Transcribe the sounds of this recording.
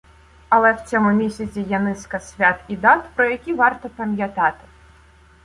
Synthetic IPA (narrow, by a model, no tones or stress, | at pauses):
ɐlˠɛwt͡sʲɔmʊmʲisʲɐt͡sʲijɛnɪskɐsʲʋʲat̪id̪ɑt̪pɾɔjɐkʲiʋɑrt̪ɔpɐmʲjɐt̪ɑt̪ɪ̥